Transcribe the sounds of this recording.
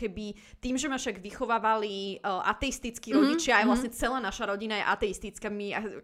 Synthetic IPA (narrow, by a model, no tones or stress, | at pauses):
kɛbi | t̪iːmʒɛmafʃaɡʋixɔʋaːʋaliʔa̰t̪ɛist̪it͡skiɾɔɟit͡ʃɪaːjʋlasɲɛt͡sɛlaːnaʃaɾɔɟinajɛ̰ʔat̪ɛist̪it͡skamia